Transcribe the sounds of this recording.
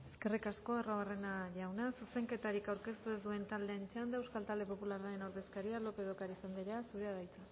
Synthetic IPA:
e̞ske̞rikasko̞araβare̞naʝawnasuse̞ŋke̞t̪aɾikawɾke̞st̪ue̞zd̪ue̞nt̪ald̪e̞ːnt͡ʃand̪aewskalt̪ald̪e̞po̞pulaɾaenoɾðe̞skaɾialo̞pe̞ð̞o̞kaɾisand̪iɾeasuɾeaðajt͡sa

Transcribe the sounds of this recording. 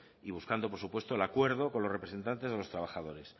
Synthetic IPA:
iβ̞uskand̪opo̞ɾsupwe̞st̪oelakwe̞ɾðo̞ko̞nlo̞srepɾse̞nt̪ant̪e̞zðelot̪ɾaβ̞axaðo̞ɾe̞s

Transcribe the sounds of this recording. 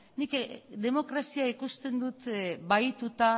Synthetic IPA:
nikd̪e̞mo̞kɾasiaikust̪e̞nd̪ut̪βajt̪ut̪a

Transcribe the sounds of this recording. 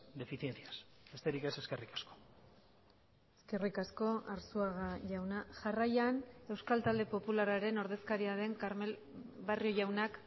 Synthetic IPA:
d̪e̞fiθjenθiasbe̞st̪e̞ɾike̞se̞ske̞rikḁsko̥ | eske̞rikasko̞aɾsuaɣaʝawnaʝarajane̞wskalt̪ald̪e̞po̞pulaɾaɾe̞no̞ɾðe̞skaɾiaðe̞ŋkaɾme̞l | βario̞ʝawnak

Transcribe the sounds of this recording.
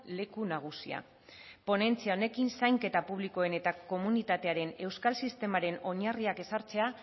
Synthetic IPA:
le̞kunaɣ̞usḭa̰ | po̞ne̞nt͡siao̞ne̞kinsajŋke̞t̪apuβ̞liko̞e̞ne̞t̪ako̞munit̪at̪e̞aɾe̞ne̞wskalsist̪e̞maɾe̞no̞ɲariake̞saɾt͡se̞a

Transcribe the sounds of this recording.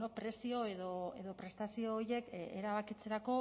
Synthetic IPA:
opɾe̞sio̞e̞ðo̞eðo̞pɾe̞st̪asio̞ːje̞kkeɾaβ̞akit͡se̞ɾako̞

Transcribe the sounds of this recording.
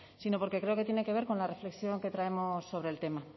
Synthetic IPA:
sino̞po̞ɾke̞kɾe̞o̞ket̪jene̞ke̞β̞e̞ɾko̞nlare̞fle̞ksjo̞ŋke̞t̪ɾae̞mo̞sːo̞β̞ɾe̞ːlt̪e̞ma

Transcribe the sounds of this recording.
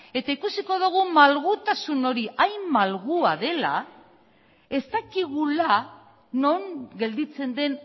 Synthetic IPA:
e̞t̪aikusiko̞ð̞uɣ̞umalɣut̪asuno̞ɾiʔajmmalɣuaðe̞la̰ | e̞st̪akiɣula | no̞ŋɡe̞ld̪it͡se̞nd̪e̞n

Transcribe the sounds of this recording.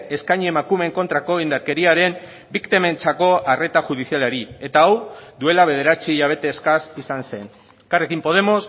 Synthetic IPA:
e̞skajɲiemakume̞ŋko̞nt̪ɾako̞ind̪aɾke̞ɾiaɾe̞m | bikt̪eme̞nt͡sako̞ʔare̞t̪axuð̞isialeɾie̞t̪aawd̪ue̞laβe̞ðe̞ɾat͡siʝaβ̞e̞t̪eskasisanse̞n | karekimpo̞ð̞e̞mo̞s

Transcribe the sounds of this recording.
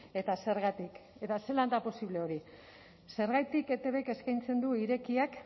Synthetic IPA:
e̞t̪ase̞ɾɣat̪ike̞t̪ase̞land̪apo̞siβle̞o̞ɾi | se̞ɾɣajt̪ike̞t̪e̞βeke̞skajnt͡se̞nd̪uiɾe̞kiak

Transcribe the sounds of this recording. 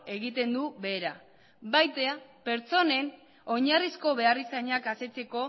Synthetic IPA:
e̞ɣit̪e̞nd̪uβe̞ːɾa | bajt̪eape̞ɾt͡so̞ne̞n | oɲarisko̞βe̞arisaɲakase̞t͡se̞ko̞

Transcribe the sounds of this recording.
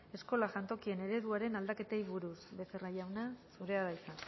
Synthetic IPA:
e̞sko̞laʝant̪o̞kie̞ne̞ɾe̞ðuaɾe̞nald̪ake̞t̪ejβuɾusβe̞se̞rajawnasuɾe̞aðajsa

